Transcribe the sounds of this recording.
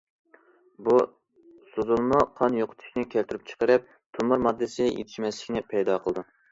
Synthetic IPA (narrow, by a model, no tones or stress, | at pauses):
bu | sozunmʊqʰɑnjoqʰʊ̥t̪ʰy̥ʃʲnɪkʲʰælt̪yɾyp̚t͡ʃʰə̥qəɾɨp̚ | t̪ʰumuɾmɑd̪ːɨsɪjḛt̪ʰiʃmɛslɪkʲnɪpʰɛjd̪ɑqʰəlˠd̪u